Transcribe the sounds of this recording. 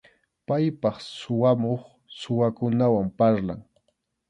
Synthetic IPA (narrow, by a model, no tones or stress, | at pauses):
pajpɑχsʊwamoχ | sʊwakʊnawampaɾla̰ŋ